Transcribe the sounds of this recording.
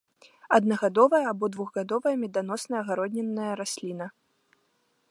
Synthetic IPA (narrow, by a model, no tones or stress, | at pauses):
ɐd̪nɐɣad̪ɔvɐjɐabɔd̪vuɣɣad̪ɔvɐjɐmʲɛd̪an̪ɔsnɐjɐɣaɾɔd̪ʲnʲɛnːɐjɐɾasʲlʲinɐ